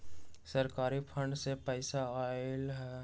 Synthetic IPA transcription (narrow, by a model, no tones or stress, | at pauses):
sɐɾkaːɾipʰə̃ɳɖsepəɪsaaːɪlɦɛ